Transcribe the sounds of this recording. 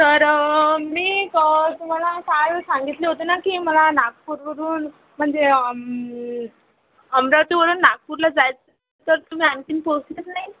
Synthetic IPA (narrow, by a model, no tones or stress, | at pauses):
səɾmiːt̪um̤alakaɾsãŋɡit̪liɦot̪enakiːməlanak̚puɾʋəɾuːn | m̤əɳd͡ze | əmɾat̪iːʋəɾuːnːak̚puɾlad͡zajt͡s | t̪əɾt̪um̤iːankinposlet͡snaji